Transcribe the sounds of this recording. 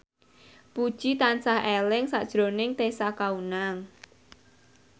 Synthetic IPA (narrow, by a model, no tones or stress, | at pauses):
pud̥ʒ̥it̪ansahʔelɪŋsa̰ʔd̥ʒ̥ɾo̤nɪŋt̪esakaunaŋ